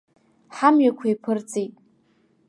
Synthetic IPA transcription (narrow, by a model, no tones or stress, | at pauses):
ħamɥakʷʰaipʰɨrt͡sʼejtʼ